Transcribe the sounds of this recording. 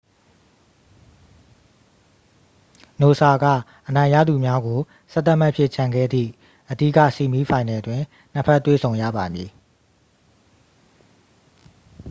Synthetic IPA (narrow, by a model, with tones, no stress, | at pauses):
no˨sa˨ɡa̰˦˨ʔənã˨ɪ̃ja̰˦˨d̪u˨mja˦ɡo˨ | sɛ˦t̪a˦ʔm̥a˦ʔpʰjɪ˦˨t͡ɕʰã˨ŋɡɛ̰˦˨d̪ðḭ˦˨ | ʔədḭ˦˨ka̰˦˨si˨mi˦pʰã˨ɪ̃nɛ˨ʔətwɪ̃˨ | n̥ə˦pʰɛ˦tːwḛ˦˨sʰõ˨ʊ̃jä̰˦˨ba˨mji˨